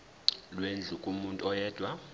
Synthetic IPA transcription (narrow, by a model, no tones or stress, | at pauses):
lwend͡ɮʱukʼumuntʼuɔjɛːd̥ʱwa